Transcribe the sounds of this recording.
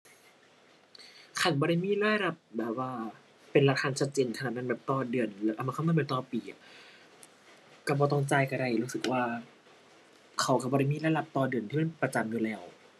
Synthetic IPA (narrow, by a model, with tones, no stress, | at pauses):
kʰa˧˩nbɔː˧ɾa˧˥˩jmiː˧˥˨laː˥˩˨jla˧˩p̚bɛː˨˩p̚waː˧˩ | pe˧nla˧k̪ʰaː˧nt͡ɕʰa˦˧t̪̚t͡ɕeː˧nkʰna˨˩t̪̚na˧˨bɛː˨˩p̚t̪ɔː˧˩dɯ˨˩ənlʔa˧maː˧a˧˥˨a˧˥˨maː˨˩˦t̪ɔː˧piː˨ʔa̰˨˩ | ka˧˩bɔː˧t̪̬ɔ˥˩ŋt͡ɕaː˧jka˧˩ɾa˧˩jɾuː˦˥sɯ˨˩k̚waː˧˩ | kʰa˧˩wka˧˩bɔː˧ɾa˧˥˩jmiː˧˥˨laː˧˥˩jla˧˩p̚t̪ɔː˧dɯ˨˩ənʰiː˧me˧˥˨pɾa˧t͡ɕa˧mjuː˨lɛː˧˩w